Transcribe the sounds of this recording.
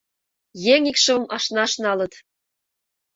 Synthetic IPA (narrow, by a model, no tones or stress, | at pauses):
jeŋikʃɤ̆mʔɑʃnɑʃnɑlɤ̆t̪